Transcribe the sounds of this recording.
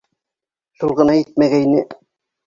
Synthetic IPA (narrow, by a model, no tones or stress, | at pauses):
ʃulˠʁɤ̆nɑjɘt̪̚mæɡæinɘ